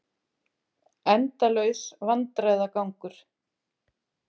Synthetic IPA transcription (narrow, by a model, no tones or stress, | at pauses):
ɛnt̪alœɥsvant̪ɾajðakawŋkʏɾ̥